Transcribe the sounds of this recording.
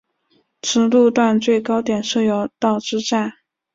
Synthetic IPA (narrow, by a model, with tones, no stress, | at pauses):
ʈ͡ʂʰɻ̩˧˥lu˥˧t̪wa˥˧nt͡swe˥˩ɪkɑ˥ʊt̪jɛ˨˩nʂɤ˥˩jɑ˥˩ʊt̪ɑ˥˩ʊʈ͡ʂɻ̩˥ʈ͡ʂa˥˩n